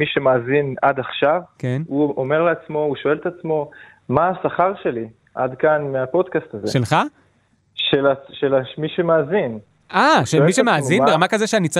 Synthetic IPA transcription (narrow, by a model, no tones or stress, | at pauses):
miʃemaːzinad̪aχʃavkenuome̞ʁleat͡smo̞uʃo̞e̞let̪at͡smo̞ | maːsaχaʁʃe̞li | ʔad̪kanmeapo̞d̪kast̪azeʃelχa | ʃelaʃelamiʃemaazin | aʃemiʃemeaaːzinbeʁamakazoʃeanit͡sa